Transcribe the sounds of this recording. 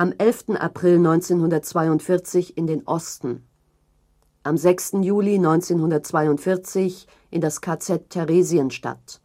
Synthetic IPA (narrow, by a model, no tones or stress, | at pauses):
ʔamʔɛlftn̩ʔa̰pʁ̥ɪlnɔʏnt͡seːnhʊndɐtt͡sv̥aɪʊntfɪɐt͡sɪçɪndeːnʔɔstn̩ | ʔamzɛkstn̩juːlinɔʏnt͡seːnhʊndɐt̚t͡sv̥aɪʊntfɪɐt͡sɪç | ʔɪndaskʰaːt͡sɛtʰːɛʁeːziənʃta̰t